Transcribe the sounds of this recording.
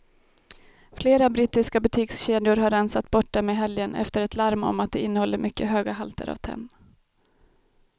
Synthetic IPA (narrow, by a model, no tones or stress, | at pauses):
fleːɾabɾiːt̪ːɪskabɵt̪ʰiːksɕeːd̪ɪʊɾɦaɾːɛnsat̪bɔʈ̚ːdɛmɛɦɛljənɛ̰ft̪əɾɛt̪ʰlaɾmɔ̰mat̪̚d̪ɛɪnːəhɔlːəɾmʏkːəɦøːɡaɦalt̪ə̰ɾa̰vt̪ʰɛ̰nː